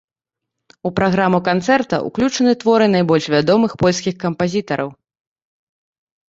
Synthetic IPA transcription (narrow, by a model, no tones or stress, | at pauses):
upɾaɣɾamukant̪sɛrt̪ɐ̰ʔṵklʲut͡ʂɐnɨt̪vɔɾɨnajbɔlʲʂvʲad̪ɔmɨxpɔlʲskʲixkɐmpazʲit̪ɐɾʔɐw